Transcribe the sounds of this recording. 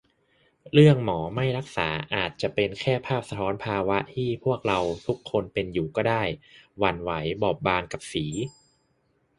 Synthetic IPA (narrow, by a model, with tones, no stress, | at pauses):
ɾɯ˥˩əŋmɔː˩˦ma˥˩jɾa˦˥k̚saː˩˦ʔaː˨˩t̪̚t͡ɕa˨˩ʔpe˧nkʰɛː˥˩pʰaː˥˩p̚sa˧t̪ʰɔː˦˥npʰaː˧wa˦˥ʔt̪ʰiː˥˩pʰu˥˩ək̚ɾa˧wt̪ʰu˦˥kʰːo˧npe˧njuː˨˩kɔː˥˩daː˥˩jwa˧nwa˩˦jbɔː˨˩p̚baː˧nka˨˩p̚siː˩˦